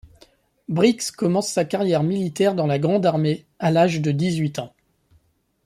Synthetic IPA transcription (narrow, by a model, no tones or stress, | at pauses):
bʁikskɔmɑ̃sːakaʁjɛʁmilit̪ɛʁd̪ɑ̃laɡʁɑ̃d̪aʁme | alaʒd̪əd̪izɥit̪ɑ̃